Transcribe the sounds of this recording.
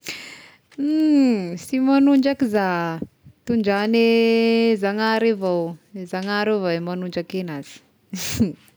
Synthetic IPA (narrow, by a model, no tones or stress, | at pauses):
simanuɳd͡ʒakiza | t̪uɳɖ͡ʐane | zaŋaɾevawzaŋaɾevaemanuɳd͡ʒakenaz̥i̥